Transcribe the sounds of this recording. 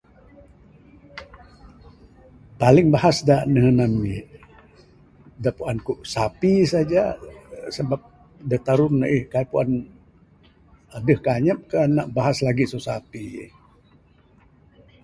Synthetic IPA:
palɪŋbahasdaʔnəɦənami | daʔpuʔankuʔsapisad͡ʒasəbap̚ | dat̪aɾʊːaʔihkaipuʔan | adəhkaɲəp̚kanaʔbaɦaslaɡisosapḭh

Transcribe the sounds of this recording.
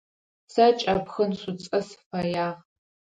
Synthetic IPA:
sat͡ʃʼapʰxənsʷut͡sʼɐsfajaːʁ

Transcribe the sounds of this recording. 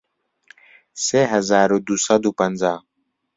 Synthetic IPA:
seɦɐzaːɾod̪usɐd̪upɐnzaː

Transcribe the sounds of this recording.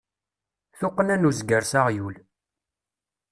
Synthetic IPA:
θʊqːnænuzɡəɾsaʁjul

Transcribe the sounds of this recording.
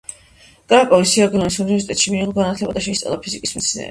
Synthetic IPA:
ɡ̥aːkʼɔvisiaɡlɔnisuniɛɾsit̪ʼɛt̪ʃimiiʁlˠɡanat̪ʰlɛbad̪aʃɛit̪sʼɔ̰lˠapʰizikʼismɛt̪sʰnɛ̰ːɾ

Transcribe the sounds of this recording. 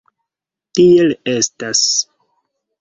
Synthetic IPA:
tiele̞stas

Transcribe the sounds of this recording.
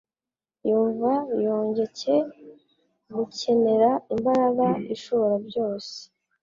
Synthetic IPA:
juːɱvajoːɲɟe̞ce̞ | ɡucʰe̞me̞ɾaimbaɾaɡaiʃuːɾabɟo̞ːse̥

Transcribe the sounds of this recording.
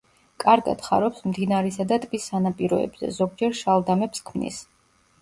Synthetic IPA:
kʼaɾɡa̰d̪̥χa̰ɾɔpsmd̪inaɾɛsad̪at̪ʼbʼisanapʼiɾɔ̰ɛ̰bz̥ɛ̰zɔɡ̚d͡ʒɛɾʃalˠd̪amɛpskʰmnḭs

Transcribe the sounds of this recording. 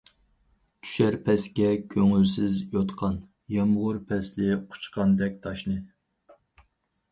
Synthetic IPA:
t̪ʰy̥ʃæɾpʰɛskʲɛkʲʰøŋylsɪzjot̪qʰɑn | jɑmʁʊɾpʰɛslɪqʰʊ̥t͡ʃqʰɑnd̪ɛk̚ʲt̪ʰɑʃnɨ

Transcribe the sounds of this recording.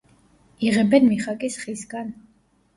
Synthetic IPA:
iʁɛbɛnmiχakʼisχisɡan

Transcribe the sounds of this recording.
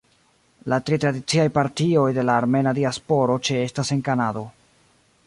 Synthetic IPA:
latɾitɾadit͡siajpaɾtio̞jde̞laːɾme̞nadiaspo̞ɾo̞t͡ʃe̞e̞stase̞ŋkanado̞

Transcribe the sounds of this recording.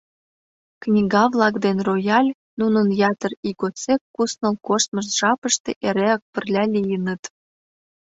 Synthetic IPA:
knʲiɣɑvlˠɑkd̪enrojɑlʲ | nunənjɑt̪əriɣot͡sekːusnɤ̆lkosməʃ̬ʒɑpəʃt̪eʔeɾeək̚pə̆rlʲælʲijənət̪

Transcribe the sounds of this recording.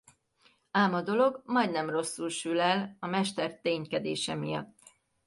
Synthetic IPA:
aːmɒd̪o̞lo̞ɡmɒjd̪nɛmro̞sːulʃylɛlɒmɛʃt̪ɛrt̪eːɲkɛd̪eːʃɛmijɒ̰t̪ː

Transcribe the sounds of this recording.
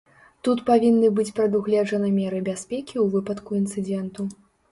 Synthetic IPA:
t̪ut̪pavʲinːɨbɨt͡sʲpɾɐd̪uɣlʲɛd͡ʐɐnɨmʲɛɾɨbʲasʲpʲekʲiuvɨpɐt̪kuint̪sɨd͡zʲɛnt̪u

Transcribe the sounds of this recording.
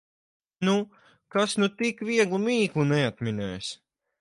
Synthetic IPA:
nu | kasnut̪ikviɛɡlˠumiːklˠunɛat̪minɛ̰ːjs

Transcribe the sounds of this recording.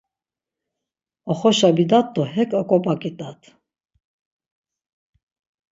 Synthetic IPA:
ɔχɔʃabid̪at̪ːɔhɛkʼəkʼɔpʼakʼit̪ʼat̪ʰ

